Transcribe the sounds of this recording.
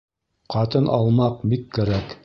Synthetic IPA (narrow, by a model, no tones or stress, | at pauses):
qɑt̪ɤnʔɑlˠmɑqbikːæɾæk